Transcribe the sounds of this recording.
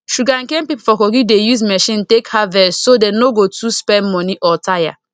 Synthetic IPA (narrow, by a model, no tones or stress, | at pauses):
ʃuɡaŋkempipofɔkoɡidejuzmɛʃĩntekhavɛsodenoɡotuspɛnmɔniʔɔtaja̰